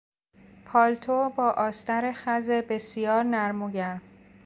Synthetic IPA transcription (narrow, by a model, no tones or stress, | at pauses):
pʰɒːlt̪ʰobɒːʔɒːst̪æɾexæzebe̞sijɒːɾnæɾmoɟæɾ